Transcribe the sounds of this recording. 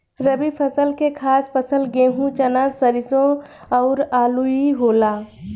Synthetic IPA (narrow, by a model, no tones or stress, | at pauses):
ɾəbipʰəsəlkekʰaːspəsəlɡeːɦũt͡ʃənaːzsəɾɪsõ | ɔʊɾaːluiɦoːlaː